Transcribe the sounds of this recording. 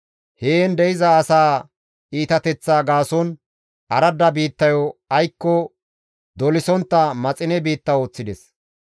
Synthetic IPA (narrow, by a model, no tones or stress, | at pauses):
heːnd̪ɛjɪzɐːsaː | iːt̪ɐt̪ɛt͡sːaːɡaːsɔn | ʔɐɾɐd̪ɐbiːt̪ːɐjɔɐjkːɔ | d̪ɔlɪsɔnt̪ːɐmɐt͡sʼɪnɛbiːt̪ːɐoːt͡sːɪd̪ɛs